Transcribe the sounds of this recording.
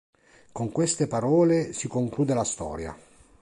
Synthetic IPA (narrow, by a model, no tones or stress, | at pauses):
koŋkwest̪epaɾɔːlesikoŋkluːd̪elast̪ɔ̰ːɾja̰